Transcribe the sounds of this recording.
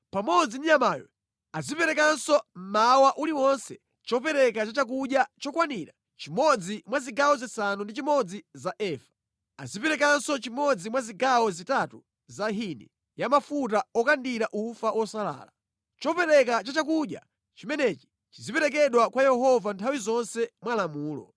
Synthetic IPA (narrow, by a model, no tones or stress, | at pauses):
pamɔd͡ziniɲamaːjɔ̰ | azipɛɾɛkansɔm̩mawaʔuliwɔnsɛ | t͡ʃɔpɛɾɛkat͡ʃat͡ʃak̬uɗjat͡ʃɔkwaniɾa | t͡ʃimɔd͡zimwaziɡaɔzisanundit͡ʃimɔd͡zizaʔɛːfḁ | a̰zipɛɾɛkansɔt͡ʃimɔd͡zimwaziɡawɔzitatu | zaɦinɛ | jamafut̬aɔkandiɾaʔufaʔwɔsala̰ːla | t͡ʃɔpɛɾɛkat͡ʃat͡ʃak̬uɗja̰ | t͡ʃimɛnɛt͡ʃi̥ | t͡ʃizipɛɾɛk̬ɛɗwakwajɛɦɔvantʰawizɔnsɛmwalamuːlɔ̰